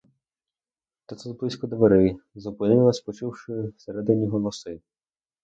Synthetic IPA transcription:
t̪ɔt̪sɛzblˠɪsʲkɔd̪ʋeɾɪzɔpɪnɪlˠɐsʲpɔt͡ʃɪwʂɪseɾɛd̪ɪnʲːiɦɔlˠɔsɪ

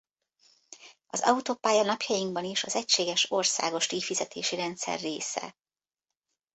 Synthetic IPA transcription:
ɒzɒ̰ut̪oːpaːjɒnɒpjɒjiŋɡbɒniʃɒzɛcʃeːɡɛʃo̞rsa̰ːɡo̞ʃt̪ifizɛt̪ʰḛːʃiɾɛnt̪sɛ̰rːeːsɛ̰

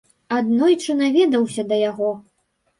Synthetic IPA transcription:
ad̪nɔjt͡ʂɨnavʲɛd̪ɐwsʲɐd̪ɐjaɣɔ

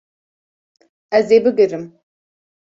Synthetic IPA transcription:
azejbɨɡɨrɨm

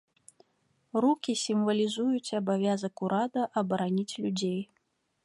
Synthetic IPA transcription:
rukʲisʲimvɐlʲizujut͡sʲɐbavʲazɐkuɾad̪ɐʔɐbɐɾanʲit͡sʲlʲud͡zʲej

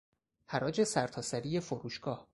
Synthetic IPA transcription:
hæɾɒːd͡ʒe̞sæɾt̪ʰɒːsæɾije̞foɾuːʃɡ̥ɒːh

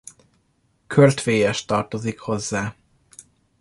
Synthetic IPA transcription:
kʰørt̪feːjɛʃt̪ɒrt̪o̞zikho̞zːaː

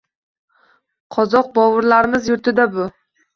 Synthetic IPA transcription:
qʰɒzɒq̚bɒvɨɾlaɾɪmɪzjʊɾt̪ʰɪd̪abʊ

